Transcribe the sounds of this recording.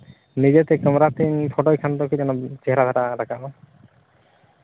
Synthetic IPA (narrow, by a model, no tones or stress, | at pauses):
nid͡ʒet̪ɛkəmɾat̪inpʰɔʈɔjkʰant̪ɔkid͡ʒɛnɔt͡ʃeɦeɾad̪ʰʱaʈaɾakabɔ